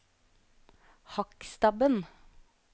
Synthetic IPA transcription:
hɑkst̪ɑbən

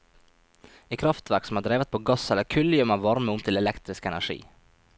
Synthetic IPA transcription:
iːkʰɾɑft̪ʋæɾksɔmhɑːd̪ɾeːʋət̪̚pʰoːɡɑsɛlːəɾkʰʉljœmɑːʋʋɑɾməʊmt̪ʰɪlɛlɛkt̪ɾɪskəɛnæʂḭː

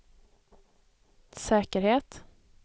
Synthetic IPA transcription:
sɛːkəɾheːt̪

